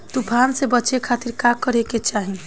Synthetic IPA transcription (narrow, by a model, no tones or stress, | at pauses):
t̪upʰansebət͡ʃekʰat̪iɾkakəɾeket͡ʃaɦi